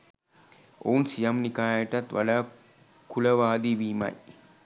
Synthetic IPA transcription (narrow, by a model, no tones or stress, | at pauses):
o̰unsijamnikaːjəʈat̪ʋaɖaː | kuləʋaːd̪iʋiːma̰j